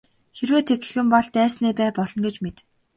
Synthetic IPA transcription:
xerweːt̪ʰeɡ̥̆xɘ̆mpɔɮt̪æːsneːpæːpɔɮɞ̆nɡet͡ɕmet̪

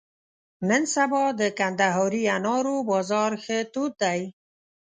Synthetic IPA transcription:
nənsabɔd̪əkand̪aɦɔɾianɑɾobɔzɑɾxet̪ut̪̚d̪aj

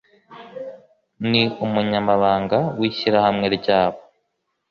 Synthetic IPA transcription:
niumuɲamaβaːŋɡawiːɕiɾahamŋeɾiɟaːβo

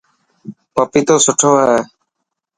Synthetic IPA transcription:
pəpiːt̪oːsʊʈʰoːɛː

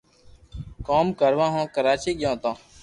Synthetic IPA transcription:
koːmkəɾʋãːɦõːkəɾaːt͡ʃiːɠɪjõːt̪õː

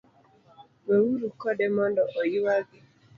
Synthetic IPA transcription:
wewuɾukɔdɛmɔndɔʔɔjiwaɡi

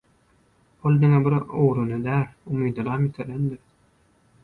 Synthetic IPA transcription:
olˠd̪iŋebiɾowɾunɯd̪æːlʲumiːd̪ɯlˠɑːmit̪ʰelend̪iɾ

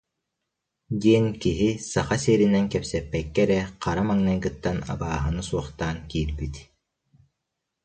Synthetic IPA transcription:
d̪iɛnkiɦisaχasiːɾinɛnkɛpsɛpːɛkːɛɾɛqʰaɾamaŋnɛŋɡɯt̪ːana̰baːɦɯnɯsuɔχt̪aːnkiːɾbit̪

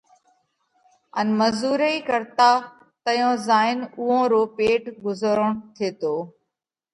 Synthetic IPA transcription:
ənməzuːɾəikəɾt̪aː | t̪əjõːzaːɪnʊɦõːɾoːpeːʈɡʊzəɾəɳ̃t̪ʰeːt̪oː

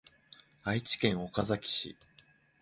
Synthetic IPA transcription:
ait͡ɕi̥kẽ̞ɰ̃o̞kazakʲi̥ɕḭ

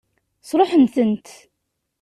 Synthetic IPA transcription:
sˤɾˤoħənθənt̪

